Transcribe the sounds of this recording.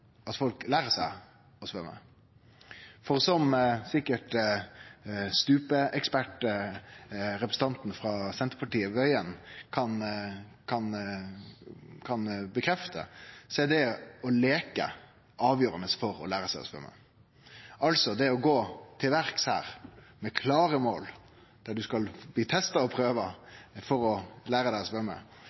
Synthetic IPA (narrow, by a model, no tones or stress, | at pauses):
ɑt̪fɔlklæːɾəsæɪ | ɔsʋœmːə̰ | fɔʁsɔmsɪkːəʈ | st̪ʉːpəʔɛkspæʈ | ɾɛpɾəsn̩t̪ɑnt̪n̩fɾɑsɛnt̪əpʰɑʈiːəʋœʏənkʰɑn | kʰɑn | kʰɑnbəkʰɾɛft̪ʰə̰sɔɛd̪ɛɔleːkə̰ | ʔɑːʋjøːɾənəsfɔɾɔ̰læːɾəsæɪɔ̰spœ̰mːə̰ | ɑlsɔd̪ɛɔɡoːt̪ʰɪlʋæɾkshæ̰ːɾmɛkʰlɑːɾəmo̰ːl | d̪̥æɖʉskɑlbliːt̪ʰɛst̪ɑɔpʰɾøːʋəfɔɾɔlæːɾəd̪æɪɔspœmːə̰